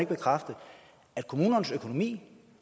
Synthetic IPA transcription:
e̝ɡ̥əb̥e̝kʰʁafd̥ə | æd̥̚kʰo̝muːnɐnəsøkʰo̝no̝mḭː

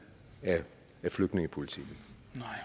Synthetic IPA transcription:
æ | æfløɡ̥d̥ne̝ŋəpʰo̝lit͡sʰḭɡ̥n̩

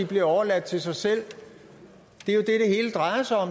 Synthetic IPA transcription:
ib̥liɐɒʊɐlæd̥̚t͡sʰe̝lsɑ̈ɪsel̰ | d̥e̝jo̝d̥e̝ɾ̥e̝he̝̰ːləd̥ʁɑ̈ɪɐsɑ̈ɪɒ̽m

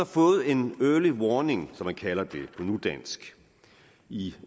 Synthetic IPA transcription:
ɑfɔ̽ːð̞̩ˠe̝nøːɐliʋɒːne̝ŋsɒ̽mænkʰælɐd̥e̝pʰɔ̽nud̥æn̰sɡ̥ | i

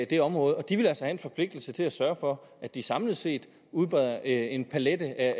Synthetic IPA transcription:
d̥e̝ɒ̽mʁɔ̽ːð̞̩ˠɒ̽d̥iʋe̝lælsɒhæe̝nfɒ̽pʰle̝ɡ̥̚d̥l̩sət͡sʰe̝læsɶɐfɒ̽ | ʔæd̥isɑ̈mləð̩ˠse̝̰ːd̥ | uðˠb̥ʁɛðˠɐʔe̝npʰæledəʔæ

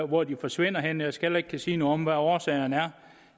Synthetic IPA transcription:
ʋɒd̥ifɒ̽sʋe̝n̰ɐɦenəjɑ̈ɪsɡ̥elɐe̝ɡ̥kʰæsiːnɔ̽ð̩ˠɒ̽mʋæɒːsɛ̰ːɪɐnæɐ

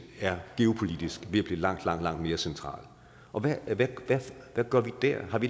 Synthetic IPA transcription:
æɐɡ̥e̝o̝pʰo̝lid̥isɡ̥ʋe̝æb̥lḭːlɑ̈ŋ̰d̥lɑ̈ŋ̰d̥lɑ̈ŋ̰d̥me̝ːɐsent͡sʰʁɑ̰̈ːl | ʔɒ̽ʋæʋæʋæʋæɡ̥ɶɐʋid̥æɐhɑ̈ʋi

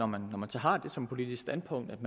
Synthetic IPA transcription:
ɒmænːɒmænsɒɦɑ̈d̥e̝sɒ̽mpʰo̝lid̥isɡ̥sd̥ænpʰɔ̽ŋ̰d̥æd̥mæ

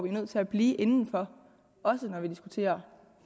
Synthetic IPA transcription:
ɒʋinøð̰ˠt͡sʰe̝læb̥liːʔe̝nn̩fɒ̽ | ɒ̽sənɒʋid̥isɡ̥ut͡sʰe̝̰ːɐ

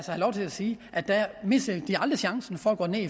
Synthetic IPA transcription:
səhɑlɒʊt͡sʰe̝læsiːʔæd̥æme̝sɐd̥iɑ̈ld̥ʁəɕɑ̈ŋsn̩fɒ̽æɡ̥ɔ̰ːne̝̰ːi

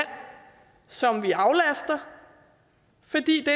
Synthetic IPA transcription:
n̰ | sɒ̽mʋiɑ̈ʊlæsd̥ɐ | fɒ̽d̥ḭːd̥e

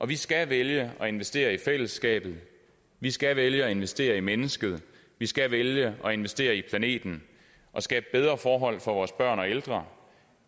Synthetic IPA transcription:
ʔɒ̽ʋisɡ̥æʋeljəɒ̽e̝nʋesd̥e̝̰ːɐifel̰əsɡ̥ɛ̰ːb̥ð̞̩ˠ | ʋisɡ̥æʋeljəɒe̝nʋesd̥e̝̰ːɐimenəsɡ̥əð̞̩ˠ | ʋisɡ̥æʋeljəʔɒ̽e̝nʋesd̥e̝̰ːɐipʰlæne̝̰ːd̥n̩ | ʔɒ̽sɡ̥ɛ̰ːb̥əb̥eð̞ˠʁɐfɒːɦɒ̽l̰fɒ̽ʋɒːsb̥ɶɐ̰nɒ̽eld̥ʁɐ

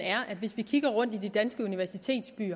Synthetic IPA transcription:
æɐʔæd̥ʋe̝sʋikʰiɡ̥ɐʁɔ̽n̰d̥id̥id̥ænsɡ̥əuniʋæɐsit͡sʰe̝̰ːd̥sb̥y̰ːɐ

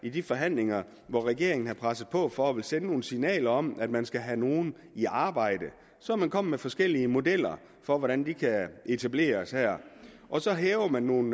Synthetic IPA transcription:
id̥ifɒɦæn̰leŋɐ | ʋɒʁɛɡ̥e̝ɐe̝ŋn̩hɑ̈pʰʁasð̩ˠpʰɒ̽fɒ̽æʋe̝lsenəno̝ːn̩sinɛ̰ːlɐɒ̽m̰æd̥̚mænsɡ̥æɦæno̝ːn̩ | iʔɑ̈ːb̥ɑ̈ɪ̰d̥ə | sɒmænkʰɒ̽m̰mefɒ̽sɡ̥el̰iəmo̝d̥el̰ɐ | fɒ̽ʋɒɾ̥ænd̥ikʰæe̝t͡sʰæb̥le̝̰ːɐshæɐ̰ | ʔɒ̽sɒ̽ɦeːʊɐmænːo̝ːn̩

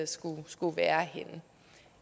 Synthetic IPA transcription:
sɡ̥usɡ̥uʋæːɐhe̝nə

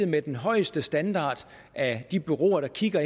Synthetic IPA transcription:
ð̩ˠmed̥enɦɒ̽ɪ̰əsd̥əsd̥ænd̥ɑ̰̈ːd̥ | æd̥ib̥yʁo̝̰ːɐɾ̥ɑ̈kʰiɡ̥ɐ

